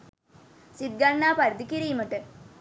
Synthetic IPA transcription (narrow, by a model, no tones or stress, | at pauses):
sid̪̚ɡɐɳːaːpɐɾd̪ikːiɾijmɐʈːɨ